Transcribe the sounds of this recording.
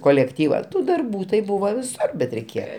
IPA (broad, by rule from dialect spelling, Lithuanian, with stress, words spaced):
koːlʲɛkˈtʲiːʋɐ ˈtuː dɐrˈbuː tɐɪ ˈbʊʋoː ʋʲɪˈsʊr bʲɛt rʲɛɪˈkʲeːjɛ